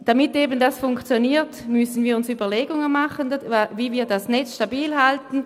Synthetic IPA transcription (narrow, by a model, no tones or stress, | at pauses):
d̥amɪteːbən̩dasfʊŋkt͡sjoniːɐtmʏsn̩viːɐʊnsyːbɐleːɡʊŋənmaχəndviːviːɐdasnɛtʃtabiːlhaltn̩